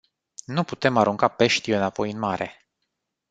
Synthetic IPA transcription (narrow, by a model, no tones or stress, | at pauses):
nuput̪e̞maɾuŋkape̞ʃt̪iɨnapo̞jɨnmaɾe